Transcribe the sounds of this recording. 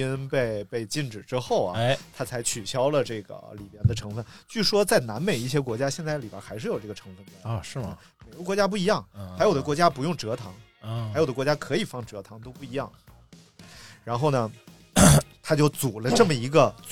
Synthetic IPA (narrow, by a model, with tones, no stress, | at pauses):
i˥npe˥˧ɪpe˥˧ɪt͡ɕi˥˧nʈ͡ʂɻ̩˨˩ʈ͡ʂɻ̩˥xo˥˩ʊɐ̰˨t̪ʰa˥t͡sʰa˧˥ɪt͡ɕʰy˨˩ɕjɑ˥ʊlə˧ʈ͡ʂɤ˥˩ɡə̰˩li˨˩mjɛ˥˩nd̪ə˨ʈ͡ʂʰɤ˧˥ŋfə˥˧nt͡ɕy˥˩ʂwɔ˥t͡sa˥˩ɪna˧˥nme˨˩ɪi˥˩ɕ̬jɛ˥kwɔ˧˥t͡ɕja˥ɕjɛ˥˧nt͡sa˥˩ɪli˨˩a̰˥xa˧˥ɪʂɻ̩˥˩jo˨˩ʊʈ͡ʂɤ˥˩ɡə˩ʈ͡ʂʰɤ˧˥ŋfə˥˩n˧˩˥ɻ̩˥˩ə̰˥˩ | me˨˩ɪɡə˦kwɔ˧˥t͡ɕja˥p̬u˥˩i˧˥jɑ˥˩ŋxa˧˥ɪjʊə˦˧kwɔ˧˥t͡ɕja˥pu˧˥jʊ˥˩ŋʈ͡ʂɤ˧˥t̪ʰɑ˧˥ŋ | xa˧˥jo˨˩d̪ə˦kwɔ˧˥t͡ɕja˥kʰɤ˧˥i˨˩fɑ˥˩ŋʈ͡ʂɤ˧˥t̪ʰɑ˧˥ŋt̪o˥ʊpu˥˩i˧˥jɑ˥˩ŋ˥˩˥ | ɻa˧˥nxo˥˩ʊnə˩ | t̪ʰa˥t͡ɕjo˥˩ʊt͡su˨˩lə˦ʈ͡ʂɤ˥˩mə˩i˧˥ɡə˧